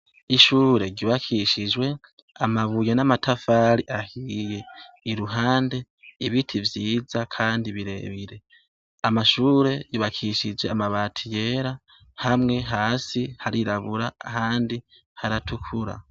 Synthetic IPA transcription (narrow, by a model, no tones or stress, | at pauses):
iʃuːɾe̞ɾɟiβakʰiʃid͡ʒwe̞ | amaβujenamatʰafaːɾiʔahije̞ | iɾuɦaːnde̞ | iβitʰivjiːzakʰaːndiβiɾe̞̰βiɾe̞ | amaʃuːɾe̞jiβakʰiʃid͡ʒe̞amaβaːtʰije̞ːɾa | hamŋe̞ɦaːsihaɾiɾaβuɾaːhaːndi | haɾatʰukʰuɾa̰